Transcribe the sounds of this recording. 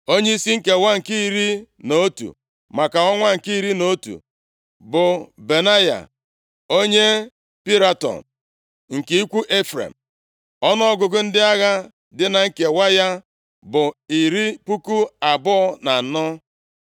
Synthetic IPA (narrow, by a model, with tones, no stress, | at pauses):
o˦ɲe˦i˦si˦ŋ̩˦ke˨wa˦ŋ̩˨ki˦i˨ɾi˦no˦tṵ˨ | ma˨ka˨ɔ˦ŋʷa˦ŋ̩˨ki˦i˦ɾi˦no˨˦tṵ˨ | bʊ˨be˨na˦ja̰˨ | o˦ɲe˦ | pi˦ɾa˦tɔ̰˨n̩ | ŋ̩˨ke˨i˦kʷu˦ʔe˦fɾḛ˨m̩˨ | ɔ˦nɔ˦ɔ˦ɡʊ˨ɡʊ˦n̩˦dɪ˦a˦ɣa˦ | dɪ˦na˨ŋ̩˦ke˨wa˦ja˦ | bʊ˨i˨ɾi˦pu˦ku˦a˨bʊ˦ɔ˦na˨nɔ˦